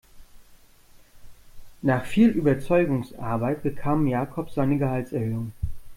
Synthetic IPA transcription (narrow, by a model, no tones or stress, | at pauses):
naːχfiːlʔyːbɐt͡sɔʏɡʊŋsʔa̰ɐbaɪtb̥əkʰaːmjaːkʰɔpz̥aɪnəɡəhalsɛɐhøːʊŋ